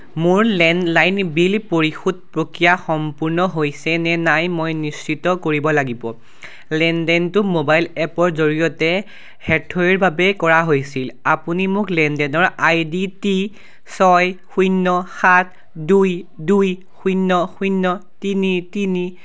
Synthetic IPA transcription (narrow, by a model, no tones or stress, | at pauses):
mʊɹlɛnlajnbilpoɹixut̚pɹokɹijaxɔmpuɹnɔɦojsɛnɛnajmojnisːitɔkoɹibɔlaɡibɔ̰ | lɛndɛntʊmobajlɛpɔɹzoɹijɔtɛ | hɛtʰɔiɹbʱabɛkɔɹaɦojsilapunimʊklɛndɛnɔɹajditi | sɔjxujnːɔxat̚ʰ | dujduj | xujnːɔxunːɔtinitini